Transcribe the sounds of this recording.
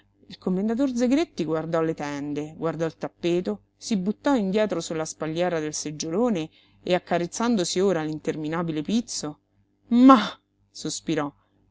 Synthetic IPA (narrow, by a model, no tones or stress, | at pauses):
ilkomːend̪at̪̬ord̪zeɡɾet̪ːiɡward̪ɔlːet̪ɛnd̪eɡward̪ɔilt̪apːeːt̪o | sibut̪ːɔind̪jɛːt̪ɾosulːaspaljɛːɾad̪elsed͡ʒːoloːne | eakːaɾet̪sːand̪osioːɾalint̪erminaːbilepit̪so | ma | sospiɾɔ